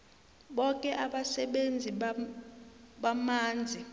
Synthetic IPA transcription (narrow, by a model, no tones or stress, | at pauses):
ɓɔk̬ʼɛʔaɓasɛɓend͡zʱi | ɓamaːnd͡zʱi